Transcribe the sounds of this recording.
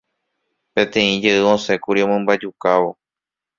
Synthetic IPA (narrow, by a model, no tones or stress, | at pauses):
pẽ̞t̪ẽ̞ĩd͡ʒeʔɨõ̞se̞kuɾiomɨ̃mbad͡ʒukaʋo̞